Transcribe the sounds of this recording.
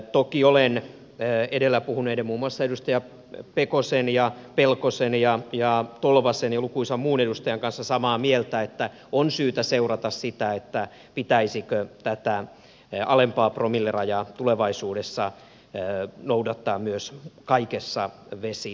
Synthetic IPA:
t̪okiolenː | edelːæpuhuneːtɑmuːmːuɑsːɑedust̪ɑjɑ | pekosenjɑpelkosenjɑjɑt̪olʋɑsenjɑlukuisɑmuːnedust̪ɑjɑŋkɑnsːɑsɑmɑːmielt̪æet̪ːæ | onsyːt̪æseurɑt̪ɑssit̪æet̪ːæ | pit̪æisikøt̪æt̪æ | ʔɑlempɑːpromilːerɑjɑt̪uleʋɑisuːdesːɑ | noudɑt̪ːɑːmmyøskɑikesːɑʋesi

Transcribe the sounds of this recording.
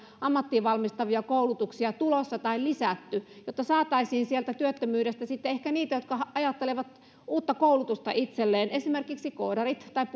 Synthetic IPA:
ɑmːɑt̪ːiʋɑlmist̪ɑʋiɑkoulut̪uksiɑt̪ulosːɑt̪ɑillisæt̪ːyjot̪ːɑsɑːt̪ɑisiːnsielt̪æt̪yøt̪ːømyːɾest̪æsit̪ːeehkæniːt̪æjot̪kɑɑjɑt̪ːeleʋɑt̪ | uːt̪ːɑkoulut̪ust̪ɑ̰ʔit̪selːeːnesimerkiksikoːdɑrit̪t̪ɑip

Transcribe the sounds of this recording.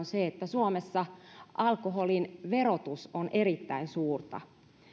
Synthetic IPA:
nseet̪ːæsuomesːɑʔɑlkoɦolinʋerot̪usonʔeɾit̪ːæinsuːrt̪ɑ̰

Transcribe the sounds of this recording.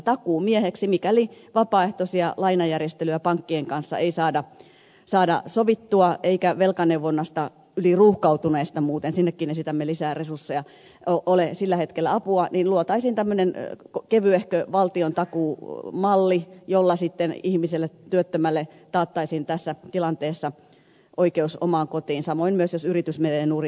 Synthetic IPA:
t̪ɑkuːmieheksimikæliʋɑpɑːeht̪osiɑlɑinɑjærjest̪elyæpɑŋkːieŋkɑnsːɑ̰ʔeisɑːdɑ | sɑːdɑ̰soʋit̪ːuɑeikæʋelkɑneuʋonːɑst̪ɑ | yliruːhkɑut̪uneːst̪ɑmuːt̪ensinːekːiːnesit̪æmːelisæːresursːejɑ | oʔolesilːæhet̪kelːæɑpuɑniːnluot̪ɑisiːnt̪æmːønenkkeʋyehkøʋɑlt̪iont̪ɑkuːmɑlːijolːɑsit̪ːenihmiselːet̪yøt̪ːømælːet̪ɑːt̪ːɑisiːnt̪æsːæt̪ilɑnt̪eːsːɑ | ʔoikeuso̰mɑːŋkot̪iːnsɑmoinmyøsjosyrit̪ysmeelenuːri

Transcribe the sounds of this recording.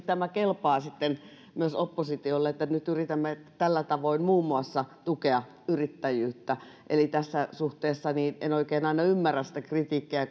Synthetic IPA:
t̪æmækelpɑːsit̪ːen | myøsopːosit̪iolːeet̪ːænyt̪yrit̪æmːet̪ælːæt̪ɑʋoimmuːmːuɑsːɑt̪ukeɑ | yrit̪ːæjyːt̪ːæ | ʔelit̪æsːæsuht̪eːsːɑniːnenoikeːnɑinɑymːærːæssit̪ækrit̪iːkːiæ

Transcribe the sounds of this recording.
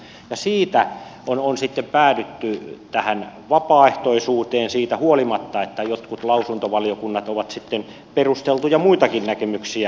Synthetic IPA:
jɑsiːt̪æononsit̪ːempæːdyt̪ːyt̪æhænʋɑpɑːeht̪oisuːt̪eːnsiːt̪æhuolimɑt̪ːɑet̪ːæjot̪kut̪lɑusunt̪oʋɑliokunːɑt̪oʋɑt̪sit̪ːen | perust̪elt̪ujɑmuit̪ɑkinnækemyksiæ

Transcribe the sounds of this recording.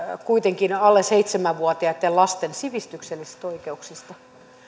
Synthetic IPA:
kuit̪eŋkinɑlːeseit̪semæʋʋuɑt̪iɑet̪ːellɑst̪ensiʋist̪ykselːise̥st̪oikeuksist̪ɑ

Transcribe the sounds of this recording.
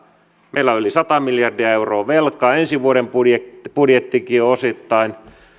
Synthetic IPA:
meilːæolisɑt̪ɑmiljɑrdiɑeuroːʋelkːˑɑensiʋuoɾempudjebudjet̪ːikiːosit̪ːɑin

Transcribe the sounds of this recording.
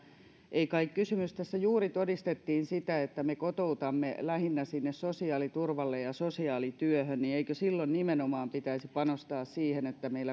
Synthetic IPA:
ʔeikɑikkysymyst̪æsːæjuːrit̪odist̪et̪ːiːnsit̪æet̪ːæmekot̪out̪ɑmːelæhinːæsinːessosiɑːlit̪urʋɑlːejjɑsosiɑːlit̪yøhønnieikøsilːonnimenomɑːmpit̪æisippɑnost̪ɑːssiːhenet̪ːæmeilːæ

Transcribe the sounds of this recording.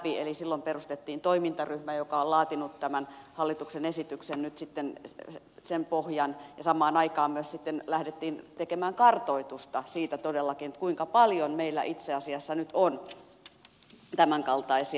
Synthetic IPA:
pielisilːomperust̪et̪ːiːnt̪oimint̪ɑryhmæjokɑollɑːt̪inut̪t̪æmænhɑlːit̪uksenesit̪yksennyt̪sit̪ːen | sempohjɑnjɑsɑmɑːnɑikɑːmmyøssit̪ːenlæhdet̪ːiːnt̪ekemæːŋkɑrt̪oit̪ust̪ɑsiːt̪æt̪odelːɑkinet̪kuiŋkɑpɑljonmeilːæ̰ʔit̪seɑsiɑsːɑnyt̪on | t̪æmæŋkɑlt̪ɑisi

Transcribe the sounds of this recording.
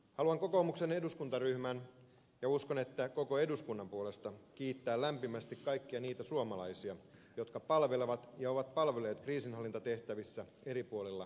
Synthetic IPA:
hɑluɑŋko̞ko̞ːmukse̞ne̞duskunt̪ɑryhmæn | jɑusko̞ne̞t̪ːæko̞ko̞e̞duskunːɑmpuole̞st̪ɑk̟iːt̪ːæːllæmpimæst̪ikkɑjkːiɑniːt̪æsuomɑlɑisiɑjo̞t̪kɑpɑlʋe̞leʋɑt̪jɑo̞ʋɑt̪̚pɑlʋele̞ːt̪kriːsinɦɑlːint̪ɑt̪e̞ht̪æʋisːæ | e̞ɾipuolilːɑ

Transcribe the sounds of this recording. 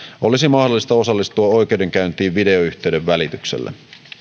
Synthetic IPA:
olisimɑhdolːˑist̪ɑo̞sɑlːist̪uɑo̞jke̞wde̞ŋk̟æynt̪iːʋʋide̞oyçt̪e̞yde̞ʋːælit̪yksḛlːḛ

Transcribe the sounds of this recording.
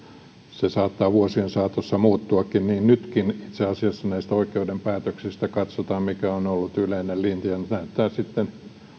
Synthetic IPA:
sesɑːt̪ːɑːʋuosiensɑːt̪osːɑmuːt̪ːuɑkːinniːnnyt̪kinit̪seɑsiɑsːɑnæist̪æoikeudempæːt̪øksist̪ækɑt̪sot̪ɑːmmikæonolːut̪yleinellint̪ijɑnnæyt̪ːæːsit̪ːen

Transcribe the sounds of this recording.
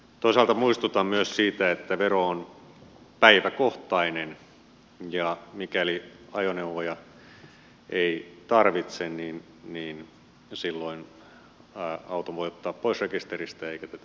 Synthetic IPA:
t̪oisɑːlt̪ɑmuist̪ut̪ɑmmyøssiːt̪æet̪ːæʋeroon | pæiʋækoht̪ɑinen | jɑmikæliɑjoneuʋojɑ | eit̪ɑrʋit̪senniːn | niːn | silːoin | ɑut̪oʋoiot̪ːɑːppoisrekist̪erist̪æeikæt̪æt̪æ

